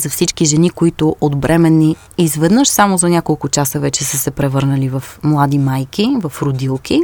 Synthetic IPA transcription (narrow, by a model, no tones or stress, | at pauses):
zɐfsit͡ʃkiʒɛnikoit̪ʊʔod̪bɾʔɛmɛnːi | izvɛd̪nɤʃsamozɐnʲakolˠkʊt͡ʃasəvɛt͡ʃɛsəsɛpɾɛvɤɾnəlivɐfmlˠad̪imajkivɐfɾʊd̪ilˠki